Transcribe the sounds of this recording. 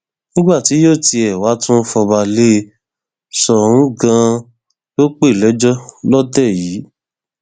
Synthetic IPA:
nĩ˦ɡ͡ba˦˨ti˨˦jo˦˨ti˧ɛ˨wa˨˦tũ˦fɔ˧ba˧le˦˧ | sɔ˨ɾ̃ũ˨˦ɡã˧ | jo˦k͡pe˦˨lɛ˨˦d͡ʒɔ˦lɔ˦tɛ˦˨jiː˨˦

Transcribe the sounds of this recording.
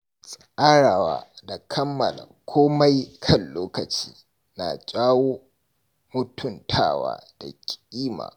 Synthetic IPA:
sʼʔaː˦ɽaː˨wa̰ː˨˦da˨kʰɐ˦mːɐ˨la̰˨kʷʰoː˦ma˦jkʰɐ˦˨nloː˦kɐ˨t͡ʃiː˦ | na̰˨t͡ʃʲʼaː˦woː˦ | mʊ˦tʊ˦˨ntʰa̰ː˦˨wa̰ː˦d̥a˨kʲʼiː˦ma̰ː˨

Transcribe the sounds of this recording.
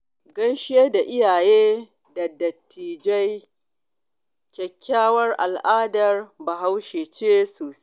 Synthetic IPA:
ɡɐ˦nʃɪ˦jeː˦da˨ʔɪ˦jaː˨jeː˦ | dɐ˨dɐ˨tʰːiː˨d͡ʒɐ˦j | kʲɛ˨kʲːaː˦wɐ˦rʔa̰˨lʔaː˦dɐ˨rba˨ɦa˦wʃeː˨t͡ʃeː˦soː˨s

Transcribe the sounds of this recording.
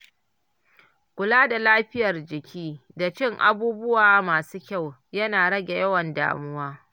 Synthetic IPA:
kʷʊ˨laː˦da˨laː˦ɸɪ˦jɐ˨rd͡ʒɪ˨kʲiː˦da˨t͡ʃɪ˦˨ŋʔa̰˦buː˦bʊ˦waː˨maː˨suː˦kʲa˦˨w | jɐ˦naː˨ɽɐ˦ɡʲe˨jɐ˦wɐ˨nda̰ː˨mʊ˦waː˦

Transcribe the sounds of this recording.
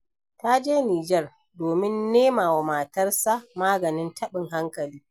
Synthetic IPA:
ta˦d͡ʒeː˦niː˨d͡ʒɛ˦r | doː˨mɪ˦nːeː˦maː˨wa˨maː˨tɐ˦rsa˦maː˦ɡɐ˨nɪ˦ntʰɐ˦ɓɪ˨ŋɦa˦ŋkɐ˨liː˦

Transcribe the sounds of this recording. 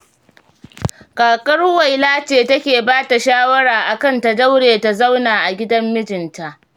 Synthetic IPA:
kʼaː˨kʼɐ˦rwa˨jlaː˦t͡ʃeː˨tɐ˦kʲeː˨baː˦ta˨ʃaː˦wɐ˦ɽaː˨ʔa˨kɐ˦nta˨dɐ˦wɽeː˨ta˨za˦wnaː˨ʔa˨ɡʲɪ˦dɐ˦mːɪ˦d͡ʒɪ˨nta˨ʔ

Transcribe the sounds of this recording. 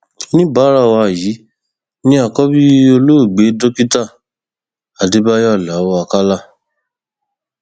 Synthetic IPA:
nĩ˦ba˨˦ɾa˦˨wa˧˨jiː˨˦ | nĩ˦a˦˧˨kɔ˦bi˦o˧lo˦o˦˨ɡ͡be˨˦do˦ki˦ta˦˨ | a˨de˨˦ba˦jɔ˦˨la˨˦wo˦a˧ka˦la˦˨

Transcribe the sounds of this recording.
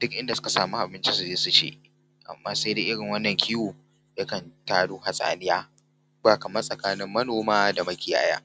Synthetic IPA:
d̥ʊ˦k̚ʔɪ˦nda˨sʊ˦ka˨saː˨mu˦ʔa˨bɪ˦nt͡ʃi˦su˨d͡ʒeː˦su˦t͡ʃḛː˦ | ʔa̰˨mːaː˦se˦jdeː˦ʔɪ˦ɽɪ˨ŋwɐ˦nːɐ˨ŋkʲʰɪ˦wuː˨ | jɐ˦kɐ˨ntaː˦ɽuː˦ha˨sʼa̰ː˨nɪ˦jaː˦ | baː˨kɐ˨mɐ˦rsʼɐ˨kaː˦nɪ˦mːɐ˦noː˨maː˦da˨mɐ˦kʲɪ˨ja̰ː˦ja̰ː˦

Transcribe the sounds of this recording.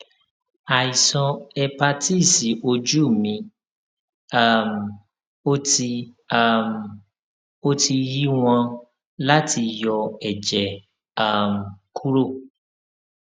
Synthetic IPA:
a˨i˨sɔ̃˧ɛ˧pa˧ti˦˨si˨ʔo˧d͡ʒu˦˨mĩ˧ | a˦m˨ | o˦ti˧ | a˦˨m | o˦tʰi˧ji˦w̃ɔ̃˧ | la˦tʰi˧jɔ˧ɛ˨d͡ʒɛ˨ | a˦˨m̩˨kʰu˦ɾo˦˨

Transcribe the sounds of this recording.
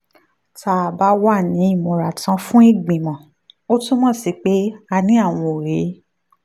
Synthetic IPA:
ta˧˨a˨ba˨˦wa˦˨nĩ˨˦i˦˨mɔ̃˨ɾa˨tã˧fũ˦i˦˨ɡ͡bĩ˨mɔ̃˨ | o˦tũ˦mɔ̃˦˨si˧˦k͡pe˨˦a˧nĩ˨˦a˦˨w̃ɔ̃˧o˨ɾe˨˦

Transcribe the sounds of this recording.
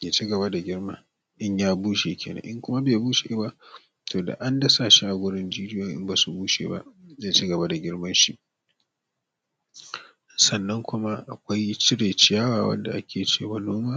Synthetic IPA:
jeː˨t͡ʃi˦ɡɐ˨ba˦da˨ɡʲɪ˦rma˦ | ʔɪ˦ɲjaː˦buː˦ʃeː˨kʲʰḛː˨nɐ̰˦ʔɪ˦ŋkʷʊ˦ma˦beː˨buː˦ʃe˨ba˦ʔ | tʰoː˨da̰˨ʔa˦ndɐ˦sa˨ʃi˦ʔa˨ɡʷʊ˦ɽɪ˦nd͡ʒiː˦d͡ʒɪ˦jɔ˦˨ŋʔɪ̰˦mba˨su˨buː˦ʃḛː˨ba̰˦ʔzeː˦˨t͡ʃiː˦ɡɐ˨ba˦da˨ɡʲɪ˦ɽmɐ˦nʃi˦ʔ | sɐ˨nːɐ˦ŋkʷʊ˦ma˦ʔa˨kʷa˦jt͡ʃɪ˦ɽeː˨t͡ʃɪ˦jaː˦waː˨wɐ̰˦nda̰˨ʔa˦kʲeː˨t͡ʃeː˦˨wa˨noː˦maː˦

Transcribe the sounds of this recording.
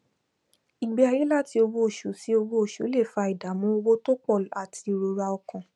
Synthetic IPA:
i˨ɡ͡be˨˧a˧je˦la˦˨ti˧o˧wo˧˦o˨ʃu˨˦si˦o˧wo˧˦o˨ʃu˨˦le˦˨fa˧i˨da˨˦mũ˦o˧wo˦to˦k͡pɔ˦˨la˨tʰi˧˨ɾo˧ɾa˧ɔ˧kɔ̃˨

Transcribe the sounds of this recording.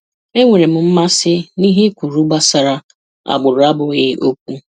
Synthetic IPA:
e˦ŋʷe˨ɾe˨m̩˨m̩˦ma˦sɪ˦ni˦ɦe˦kʷu˨ɾu˦ɡ͡ba˦sa˨ɾa˦ | a̰˨ɡ͡bʊ˨ɾʊ˨˦a˦bʊ˨ɣɪ˦o˦k̚ʷu˦

